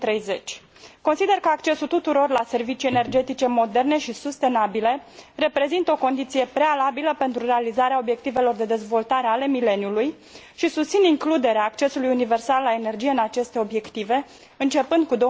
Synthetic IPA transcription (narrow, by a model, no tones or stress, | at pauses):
t̪ɾejze̞t͡ʃʲ | ko̞nsid̪e̞rkəakt͡ʃe̞sut̪ut̪uɾo̞rlase̞rvit͡ʃije̞ne̞rd͡ʒe̞t̪it͡ʃe̞mo̞d̪e̞rne̞ʃisust̪e̞nabilere̞pɾe̞zint̪əo̞ko̞nd̪it̪sije̞pɾealabiləpe̞nt̪ɾure̞alizaɾeao̞bje̞k̚t̪ive̞lo̞rd̪e̞d̪e̞zvo̞lt̪aɾe̞ale̞mile̞njuluj | ʃisust̪siniŋklud̪e̞ɾeaːkt͡ʃe̞sulujunive̞rsalːaene̞rd͡ʒije̞ɨnat͡ʃe̞st̪e̞o̞bje̞kt̪ive̞ | ɨnt͡ʃe̞pɨnd̪̚kud̪o